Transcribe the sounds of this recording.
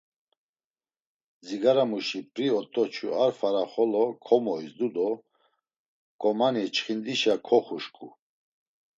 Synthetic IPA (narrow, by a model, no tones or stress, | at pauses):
d͡ziɡaɾamuʃipʼɾiɔt̪ʼɔt͡ʃʰuaɾfaɾaχɔlɔkʰɔmɔisd̪ud̪ɔ | kʼɔmanit͡ʃχind̪iʃakʰɔχuʃkʼṵ